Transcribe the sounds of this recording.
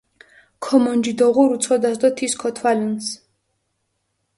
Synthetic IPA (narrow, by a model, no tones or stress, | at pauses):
kʰɔmɔnd͡ʒid̪ɔʁuɾut̪sʰɔd̪asd̪ɔt̪ʰiskʰɔt̪ʰwalins